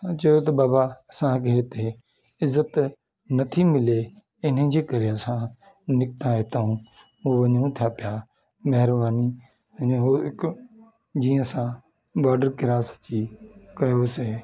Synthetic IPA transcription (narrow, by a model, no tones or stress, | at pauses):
t͡ʃɐjot̪̬ɐbaːbasãkeɦet̪e | ɪzːət̪ | nɐt̪ʰimɪleː | ɪn̤ɦə̃d͡ʒeːkɐɾejasãː | nɪkt̪aet̪aũː | oːʋɐɲũt̪ʰjaːpɪjaː | mɐɦɪɾbaːni | ɐɦoːɪk | d͡ʒiːə̃sãː | baːɖəɾkɪɾaːst͡ʃiːkɐjoːseː